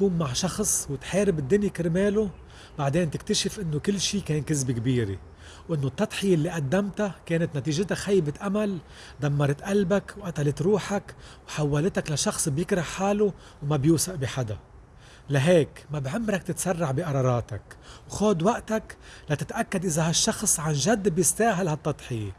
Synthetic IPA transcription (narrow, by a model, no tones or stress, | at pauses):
k̪uːmːaʕʃɑxsˤwɪt̪ħeːɾɪbɪd̪ːʊnjikɪɾmeːlo | baʕd̪eːnt̪ɪk̚t̪aʃɪfʔɪnːokɪlːʃiːkeːnkɪzbikbiːɾḛ | wʔɪnːot̪ˤːɑt̪ˤħɪjelːiʔad̪ːamt̪akeːnɪt̪nat̪iːʒɪt̪axajbɪt̪ʔamal | d̪amːɑɾˤɑt̪ʔalbakwʔat̪alɪt̪ɾuːħakwħawːalɪt̪aklaʃɑxsˤbjɪkɾɑʕħaːlu | wmabjuːsaʔbɪħad̪a̰ | laɦeːkmabʕɪmːɾak̚t̪ɪt̪sɑrˤːɑʕbiʔɑɾˤɑːɾˤɑːt̪akwxoːd̪waʔt̪ak | lat̪ɪt̪ʔakːad̪ʔɪzaɦaʃːɑxsˤʕanʒad̪ːbjɪst̪aːɦalhat̪ˤːɑt̪ˤħɪje